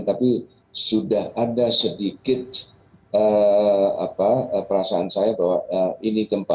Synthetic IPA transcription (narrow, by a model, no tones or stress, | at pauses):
t̪api | sudahadasədikɪt̪̚ | ə | a̰paəpəɾasaːnsajabawaəinikəmpa